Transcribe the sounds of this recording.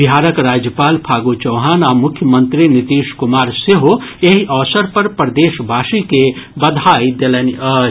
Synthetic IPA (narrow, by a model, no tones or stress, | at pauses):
bɪɦaːɾəkɾaːd͡ʒjəpaːlpʰaːɡot͡ʃɐːɦaːnaːmʊkʰjəmə̃nt̪ɾinɪt̪iːʃkʊmaːɾseɦoeɦiʔɔːsəɾpɐɾpɾd̪eːʃbʱaːʃikebɐd̪ʱaːjd̪elɛniɐ